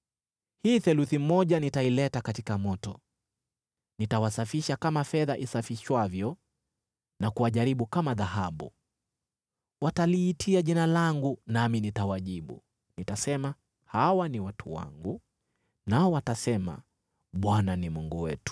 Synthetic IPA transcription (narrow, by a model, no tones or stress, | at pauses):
hiːθɛluθimɔʄanitailɛtakatikamɔtɔ | nitawasafiʃakamafɛðaʔisafiʃwavjɔ | nakuwaʄaɾiɓukamaðahaɓṵ | wataliːtʰiaʄinalaŋɡunaminitawaʄiɓṵ | nitasɛma | hawaniwatʰṵwa̰ŋɡu | naɔwatasɛma̰ | ɓwananimuŋɡuwɛtu̥